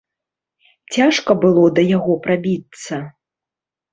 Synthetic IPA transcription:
t͡sʲaʂkɐbɨlˠɔd̪ɐjaɣɔpɾabʲit̪sɐ

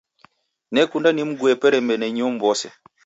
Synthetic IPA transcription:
nɛkundanim̩ɡuɛpɛɾɛmbɛnɛɲɔm̩bɔsɛ

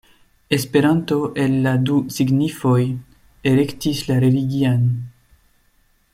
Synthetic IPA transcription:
e̞spe̞ɾanto̞ʔe̞lːadusiɡnifo̞j | e̞le̞ktislaɾe̞liɡian

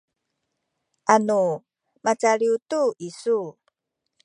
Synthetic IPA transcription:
ʔanu | mat͡saɭiutuʔisu

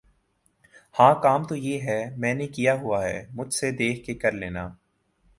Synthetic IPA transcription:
hãːkaːmt̪ojeːɦɛmɛ̃ːnekijaɦʊaɦɛ̰ːmʊd͡ʒʱsed̪eːkʰkekɐɾlḛːnaː

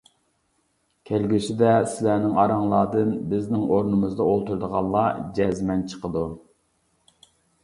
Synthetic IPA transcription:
kʲʰælɡʲysɪd̪ɛsɪlænɪŋɑɾɑŋlˠɑːd̪ɨnbɪznɪŋoɾnɨmɨzd̪ɑolˠt̪uɾd̪əʁɑnˠlˠɑd͡ʒɛzmɛnt͡ʃʰə̥qəd̪u

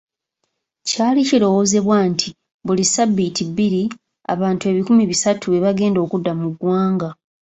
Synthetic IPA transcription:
caːliciɾo̞wo̞ːze̞βwantʰi | βulisabːitibiɾi | a̰βaːntue̞βikumiβisatʰue̞βaɡe̞ːndo̞ːkudːamuɡwaːŋɡa

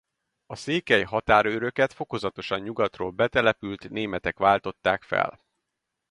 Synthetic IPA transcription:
ɒseːkɛjɦɒt̪aːɾøɾø̞kɛt̪fo̞ko̞zɒt̪o̞ʃɒɲɲuɡɒt̪ro̰ːlbɛt̪ɛlɛpylt̪neːmɛt̪ɛkʋaːlt̪o̞t̪ːaːkfɛ̰l

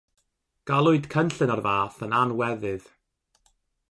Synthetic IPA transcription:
ɡ̥alˠʊɨdkʰənɬɨnarvaːθənanwɛðɨð

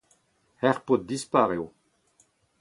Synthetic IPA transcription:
hɛʁpot̪̚d̪ispaʁew

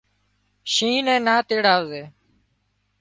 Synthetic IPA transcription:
ʃĩːnɛ̃ːnaːt̪eːɽaːʋzeː

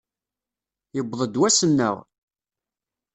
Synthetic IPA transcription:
jəbðˤəd̪wæsənːə̰ʁ

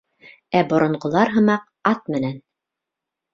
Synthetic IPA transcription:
æbŏɾŏɴɢŏlˠɑɾɦɤ̆mɑq | ɑt̪̚mɘ̆næn

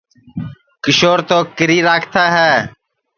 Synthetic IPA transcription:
kəʃoːɾt̪oːkəɾiːɾaːkʰt̪aːɦɛː

